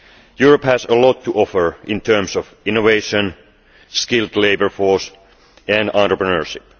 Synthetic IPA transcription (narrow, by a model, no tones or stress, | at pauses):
juɹəphæsəlɔtʰːuʔɔfəɹɪ̃ntʰɜːmsɔfɪ̃noʋeɪʃə̃n | skɪldleɪbə˞fɔɹs | æ̃ndɑ̃ntɹəpɹənəɹʃɪp̚